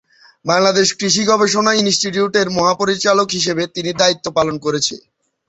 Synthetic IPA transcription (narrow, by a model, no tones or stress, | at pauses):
baŋlad̪eʃkɾiʃ̬iɡɔbeʃ̬onainsʈiʈiuʈeɾmɔɦapoɾit͡ɕalokɦiʃ̬ebet̪inid̪ait̪ːopalonkoɾet͡ɕʰḛ